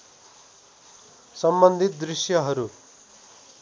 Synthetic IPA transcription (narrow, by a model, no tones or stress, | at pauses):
sʌmbʌnd̪ʱit̪̚d̪ɾisjʌɦʌɾu